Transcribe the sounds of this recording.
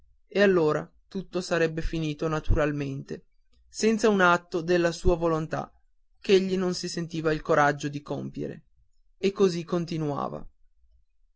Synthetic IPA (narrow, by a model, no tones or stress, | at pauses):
ealːoːɾa̰ | t̪ut̪ːosaɾɛbːefiniːt̪onat̪uɾalment̪e | sɛnt̪saunat̪ːod̪elːasuːavolont̪a̰ | k̟eʎːinonsisent̪iːvailkoɾad͡ʒːod̪ikompjḛɾḛ | ekːozikːont̪inua̰ːva̰